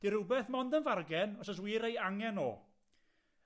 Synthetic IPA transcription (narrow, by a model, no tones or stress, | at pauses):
d̥iɾʊbɛθmɔndənvarɡɛnɔsɔs̬wiːɾejaŋɛno̰ː